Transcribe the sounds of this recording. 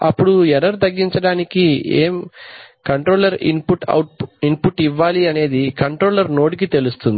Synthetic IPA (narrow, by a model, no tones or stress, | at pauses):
ɐpːuɽuɛɾɐɾt̪ɐɡːiɲt͡ʃɐɽaːnikiḛːmkɐɳʈɾo̞ːlɐɾḭnpuʈɐ̰wʈ̚inpuʈiʋːaːliɐne̞ːd̪ikɐɳʈɾo̞ːlɐɾnoːʈik̬it̪e̞lust̪und̪i